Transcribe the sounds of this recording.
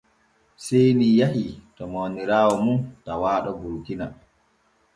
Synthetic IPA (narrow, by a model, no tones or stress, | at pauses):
sejnijahitɔmoːniɾaːwɔmuntawaːɗɔbuɾkina